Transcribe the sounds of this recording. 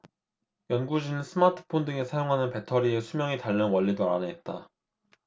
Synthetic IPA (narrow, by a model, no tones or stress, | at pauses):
jʌnɡud͡ʑinɯns͈ʰɯmatʰɯ̥pʰondɯŋe̞sʰajoŋɦanɯnpe̞tʰʌɾiesʰumjʌŋitaʎːʌnwʌʎːidoɾa̰nɯɦet̚t͈a